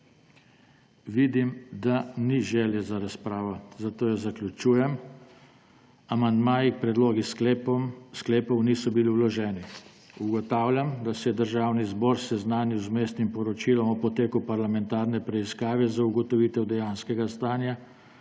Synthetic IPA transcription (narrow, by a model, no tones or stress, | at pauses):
ʋiːd̪imd̪aniʒɛːljɛzaɾaspɾaːʋɔzat̪oːjɛzaklʲut͡ʃuːjɛm | amand̪maːjik̚pɾɛd̪loːɡis | skleːpɔwniːsɔbiliwlɔʒɛːni | uɡɔt̪aːwljamd̪asɛjɛd̪əɾʒaːwnizbɔːɾsɛznaːniwzmeːst̪nimpɔɾɔt͡ʃiːlɔmɔpɔt̪eːkupaɾlamɛnt̪aːɾnɛpɾɛiskaːʋɛzauɡɔt̪ɔʋiːt̪ɛwd̪ɛjaːnskɛɡast̪aːnja